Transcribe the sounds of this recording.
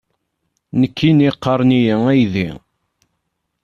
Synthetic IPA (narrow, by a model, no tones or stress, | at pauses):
nəkːiniqːəɾˤnijəæjðḭ